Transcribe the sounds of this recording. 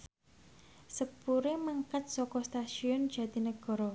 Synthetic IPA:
səpuɾeməŋkat̪̚sɔkɔst̪aʃiɔnd̥ʒ̥ä̤d̪̥i̤nəɡ̥ɔ̤ɾɔ

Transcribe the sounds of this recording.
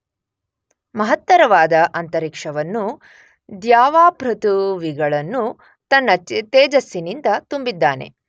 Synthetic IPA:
mɐɦɐt̪ːɐɾɐʋaːd̪ɐʔɐnt̪ɐɾikʂɐʋɐnːu | d̪jaːʋaːpɾɐt̪uʋiɡɐɭɐnːu | t̪ɐnːɐt̪eːd͡ʒɐsːinind̪ɐt̪umbid̪ːaːne̞̰

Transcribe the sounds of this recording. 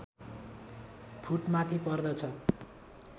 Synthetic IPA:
pʰuʈmat̪ʰipʌrd̪ʌt͡sʰʌ

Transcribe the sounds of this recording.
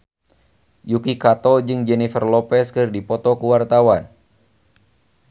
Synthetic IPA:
jukikat̪ɔd͡ʒɨŋd͡ʒɛnifərlɔpɛskɨrdipɔt̪ɔkuwart̪awan

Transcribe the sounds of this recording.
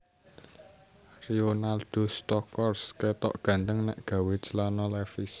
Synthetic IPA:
rionald̪̥ost̪ɔkɔrsket̪ɔ̰ʔɡ̥ä̤nt̪əŋnɛ̰ʔɡ̥ä̤wet͡ʃəlanɔlɛfis

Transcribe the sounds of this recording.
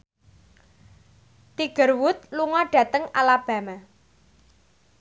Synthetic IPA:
t̪iɡ̥ə̤rwʊt̪̚luŋɔɖ̥ä̤t̪əŋalab̥ä̤ma

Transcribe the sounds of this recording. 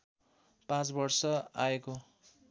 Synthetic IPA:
pãt͡sbʌrsʌa̰eko

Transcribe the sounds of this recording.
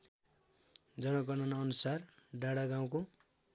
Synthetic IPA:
d͡zʌnʌɡʌnʌnʌnusarɖaɽaɡaw̃ko

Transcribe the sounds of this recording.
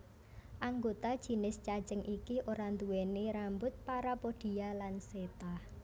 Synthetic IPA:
ʔaŋɡot̪ad̥ʒ̥i̤nɪst͡ʃḁt͡ʃəŋʔikiʔoɾand̪uwɛneɾambʊt̪̚paɾapoɖ̥i̤alanset̪a

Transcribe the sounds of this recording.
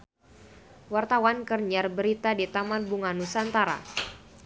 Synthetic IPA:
wart̪awankərɲarbəɾit̪adit̪amanbuŋanusant̪aɾa̰

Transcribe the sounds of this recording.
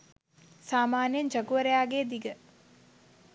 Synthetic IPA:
saːmaːnjend͡ʒaɡuʋəɾejaːɡeːd̪iɡə

